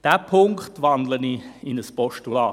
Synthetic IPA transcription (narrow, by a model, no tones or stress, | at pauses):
d̥æpʰʊŋktʋɑndləniɪnəspɔʃtulɑː